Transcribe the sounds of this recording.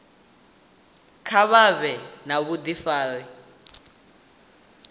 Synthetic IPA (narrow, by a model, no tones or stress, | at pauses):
kʰaβaβɛnaβud̪ifaːli